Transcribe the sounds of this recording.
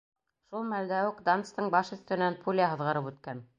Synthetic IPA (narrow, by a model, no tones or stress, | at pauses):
ʃulˠmæld̪æwɘkd̪ɑnt̪st̪ɤɴbɑʃɵ̆θt̪ɘ̆nænpʰulʲaɦɤ̆ðʁɤ̆ɾɤpʉt̪̚kæn